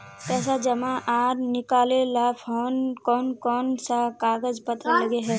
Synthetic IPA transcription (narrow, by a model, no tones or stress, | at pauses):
p̪ɛːs̬ad͡ʒɐmãʔaːɾnɪkaːlelapʰɔːnkɔːnkɔːnsakaːɡəd͡ʒpət̪ɾalɐɡeɦɛː